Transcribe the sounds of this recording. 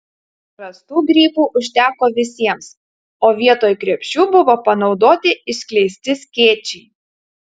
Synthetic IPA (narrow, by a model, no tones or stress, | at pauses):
pɾɐst̪uːɡɾʲiːpuːʔʊʃʲt̪ʲæːkoːʋʲɪsʲiɛms | oːʋʲiɛt̪oːjkɾʲiɛpʲʃʲt͡ʃʲuːbʊʋoːpɐnɒʊd̪oːt̪ʲɪɪsʲkʲlʲɛɪsʲt̪ʲɪsʲkʲeːt͡ʃʲɛɪ